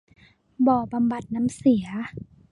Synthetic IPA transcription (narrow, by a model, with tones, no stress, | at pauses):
bɔː˧˩ba˧˨mba˨˩t̪̚na˧˥msi˨˩˦ɐ